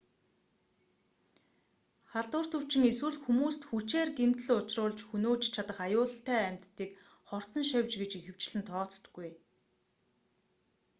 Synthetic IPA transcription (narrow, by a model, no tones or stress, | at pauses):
χaɮt̪ʊːr̥t̪uw̥t͡ɕɪ̆ŋeswɘ̆ɮxumuːst̪xut͡ɕeːrɡem̥t̪ɮʊt͡ɕrʊːɮt͡ɕxunoːt͡ɕt͡ɕʰat̪ə̆χajʊːɮ̆ɬt̪æːæm̥ʲt̪ːiːk | χɔr̥t̪ɞ̆nʃœwʲt͡ɕɡet͡ɕixɘ̆w̥t͡ɕɮɘ̆nt̪ʰɔːt͡st̪̆ɡːuj